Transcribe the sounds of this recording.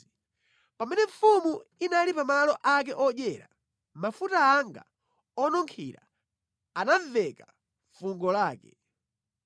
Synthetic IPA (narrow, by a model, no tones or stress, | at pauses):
pamɛnɛɱfumuinalipamalɔʔakɛʔɔɗɛɾa̰ | mafutaːŋɡa̰ | ɔnɔŋkʰḭɾa̰ | anaɱvɛka | ɱfuŋɡɔlaːkɛ